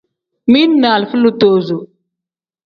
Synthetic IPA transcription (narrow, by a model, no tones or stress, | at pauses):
minːaːlfəlut̪oːzu